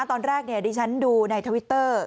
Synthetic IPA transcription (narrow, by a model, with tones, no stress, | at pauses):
t̪ɔː˧nɾɛː˥˩k̚ni˥˩ɐdiː˧t͡ɕʰa˦˥nduː˧na˧jt̪ʰə˧wi˦˥t̪ːɤː˥˩